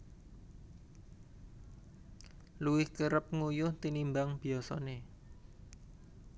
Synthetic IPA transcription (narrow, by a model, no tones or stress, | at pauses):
luwɪhkəɾəp̚ŋujʊht̪inimbaŋb̥iɔsɔ̰ne